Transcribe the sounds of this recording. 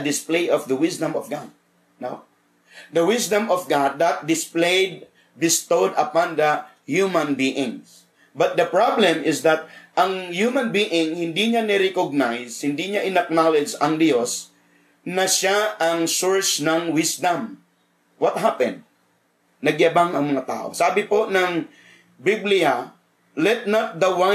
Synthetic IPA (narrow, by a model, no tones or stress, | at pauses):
d̪ɪsplejʔɔfd̪ɐwɪsd̪ɐ̃mɔvɡad̪̚ | no | d̪ɐwɪsd̪ɐ̃mɔfɡad̪ːat̪̚d̪ɪsplejd̪̚ | bɪst̪od̪ɐpãnd̪ɐ | hjumɐ̃nbiʔɪ̃ŋs | bɐt̪̚d̪ɐpɹablɛ̃mɪsd̪ɐt̪̚ʔɐŋhjumãnbiʔɪŋhɪ̃nd̪iɲanɛɾɛkoɡ̚najshɪnd̪iɲaʔɪnɐk̚nalɪd͡ʒɐŋd̪jos | nɐʃaʔɐŋsoɹsnɐŋwɪsd̪am | wɐt̪̚ɦapɛ̰̃nd̪̚ | nɐɡjɐbaŋɐŋmɐŋat̪a̰ːʔo̰saːbɪponɐŋ | biblɪa | lɛt̪̚nat̪̚d̪ɐwa